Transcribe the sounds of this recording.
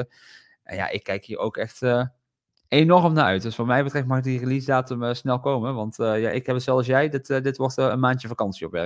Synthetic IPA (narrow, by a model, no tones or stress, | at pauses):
ʔɛ̰nja̰ʔɪ̰kːɛjkɦiːɹo̰wkɛxtə | enɔrəmnaːɹʔœɥt̚dɵsfoːmɛjbətrɛftmɑχdirəlisdaːtəməsnɛlˠkowmənʋɑntja̰ʔɪkɦɛbəszɛlˠs̬jɛjdɪtdɪtʋɔɹtə̰nmaːntjəvakɑnsiɔpʋɛ̰r